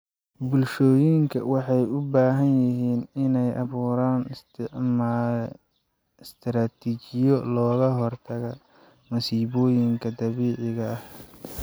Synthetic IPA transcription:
bʊlʃɔːjɪŋkʰɐ̰wɑħɑjʊbaːɦɐnjɪɦiːnɪnɛjʔɑβuːɾaːnst̪ʕmaːl | st̪ʰɾaːt̪ʰit͡ʃɪjɔlɔːɣɐɦɔrt̪ʰɐɣɐ | mɐsiːβɔːjɪŋkʰɐd̪ɐβiːʕɪɣɐːh

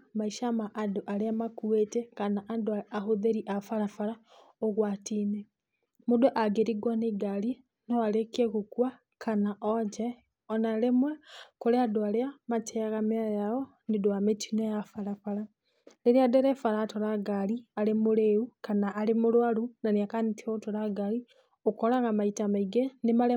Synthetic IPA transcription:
maiʃamaʔːdoʔaleamakuetekanaʔadoaahoðeɾiʔafalafala | oɣwatine | modoʔaɡeɾiɡwaneɡali | noalekieɣukwa | kʰanaʔod͡ʒe | ɔnalemwekuleadwaleamat͡ʃeɣamiajao | nidwametinojafalafala | leɾiadeɾefalaːtolaɡalialimuleukanaːlimulwalunaniakanitiotolaɡali | okolaŋɡamaitamaiɡenimale

